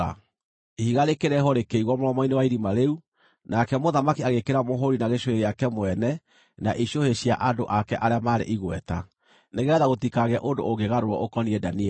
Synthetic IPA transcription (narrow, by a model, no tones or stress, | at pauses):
a̰ | hiɣaɾekeɾɛɦɔɾekeiɣwɔmoɾɔmɔinewaiɾimaɾeu | nakɛmoðamakiaɣekeɾamoɦoɾinaɣeʃoheɾeakɛmwɛnɛ | naʔiɕoheɕia̰ʔandoʔakɛʔaɾeamaːɾḛʔiɣwɛta̰ | neɣɛðaɣotikaɣɛʔondo̰oɡeɣaɾoɾɔʔokɔniɛdaniɛ